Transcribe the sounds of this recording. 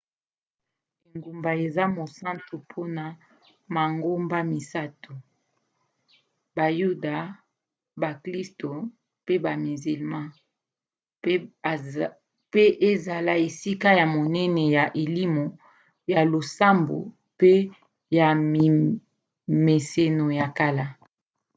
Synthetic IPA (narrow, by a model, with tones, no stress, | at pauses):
e˨ŋɡu˨mba˨e˨za˦mo˨sa˦ntu˨pʰo˦na˨ | ma˨ŋɡo˦mba˦mi˨sa˦tu˨ | ba˨ju˦da˨ | ba˨kli˦sto˨ | pe˦ba˨mi˨zi˨lmã˦ | pe˦ʔe˦za˨la˦e˨si˦ka˦ja˨mo˨nɛ˦nɛ˨ja˨ʔe˨li˦mo˨ | ja˨lo˨sa˦mbo̰˨ | pe˦ | ja˨i˨ | me˨se˦no˨ja˨ka˦la˦